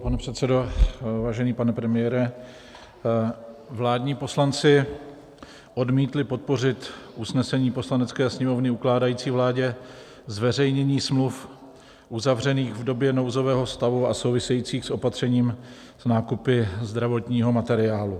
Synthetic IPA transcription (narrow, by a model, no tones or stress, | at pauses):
panɛpr̥ɛt̪sɛdovaːʒɛniːpanɛpɾɛmɪjɛːɾɛ | vlaːdɲiːpo̞slant͡sɪ | ʔo̞dmiːt̪lɪpo̞t̪̚po̞r̝ɪt̪usnɛsɛɲiːpo̞slanɛt͡skɛːsɲɛmo̞vnɪuklaːdajiːt͡siːvlaːɟɛ | zvɛrɛjɲɛɲiːsmluf | ʔuzavrɛniːɣvdo̞bjɛno̞wzo̞vɛːɦost̪avuaso̞wvɪsɛjiːt͡siːxsʔo̞pat̪r̝̥ɛɲiːm | snaːkupɪzd̪ɾavo̞t̪ɲiːɦo̞mat̪ɛɾɪaːlu